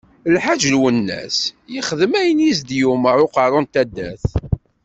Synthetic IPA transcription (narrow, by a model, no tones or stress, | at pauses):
lħaʒlwənːæ̰sjiχəðəmæjənjisd̪juməɾˤʊqɑɾˤʊnt̪æd̪ːæθ